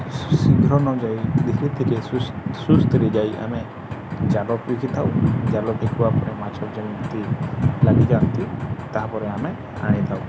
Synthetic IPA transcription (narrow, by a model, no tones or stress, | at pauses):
siɡʱɾɔnɔd͡ʒajd̪ekʰit̪ʰiɾesust̪ʰɾed͡ʒajʔa̰mɛ | d͡ʒalɔpɾikʰit̪ʰawd͡ʒalɔʈekʰuwapɔɾɛmat͡ʃʰɔpd͡ʒanit̪t̪ilaɡikant̪it̪aɦapɔɾɛamɛ | a̰ɽ̃ĩt̪ʰaw